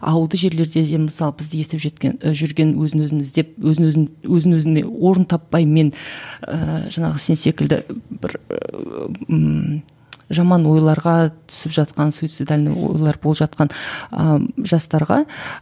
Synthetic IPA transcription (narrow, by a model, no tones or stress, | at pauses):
ɑ̰wəlˠd̪əʒe̞ɾle̞ɾd̪e̞d̪e̞mɪsɑlˠəbɪzd̪ɪje̞st̪epʒet̪ʲeʒʏɾɡʲe̞nwɵzɪnwɵzɪmɪzd̪e̞p̚wɵzɪnwɵzɪnwɵzɪnḛwo̞ɾənt̪ʰɑpːɑjme̞nəʒɑɴɑʁəse̞nse̞kʲɪld̪ɪ̰b̥ɪ̰ɾ | ʒɑmɑnwo̞jlˠɑɾʁɑt̪ʰʏ̥sɪpʒɑt̪qɑnsujt̪sid̪alʲɪnɪ̰wo̰jlˠɑɾbolˠpʒɑt̪̚qɑnə̰ʒɑst̪ɑɾʁɑ̰